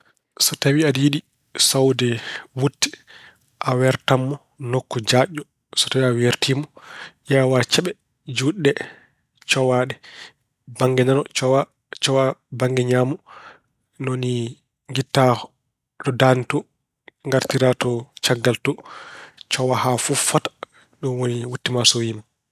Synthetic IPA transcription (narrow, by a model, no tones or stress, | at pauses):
sɔtawiadijiɗi | sawdɛwutːi̥ | ʔawɛɾtamːɔ | nokːɔd͡ʒaʔːɔ | sɔ̥tawiaweɾtiːmɔʔɛawat͡ʃɛɓɛ | d͡ʒuɗːɛ | t͡ʃɔwaɗɛ | baŋɡɛnanɔt͡ʃɔwa | t͡ʃɔwabaŋɡɛɲaːmɔ | noni | ŋɡitːa | ɗɔdanitɔ | ŋɡaɾtiɾatɔt͡ʃaɡːaltɔ | t͡ʃɔwahafufatḁ | ɗɔnwoniwutːimasowima